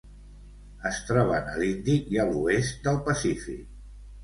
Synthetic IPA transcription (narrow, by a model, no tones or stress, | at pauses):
əst̪ɾɔβənəlind̪iiəluest̪̚d̪əlˠpəsifḭk̚